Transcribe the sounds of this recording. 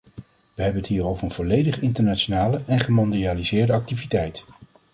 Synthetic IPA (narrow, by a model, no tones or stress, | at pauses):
ʋəɦɛbənətɦiːrowvəɹənv̥ɔlejdəχɪntəɹnaːt͡ʃonaːləʔɛnχəmɔndializɪːɹdəɑk̚tivitɛjt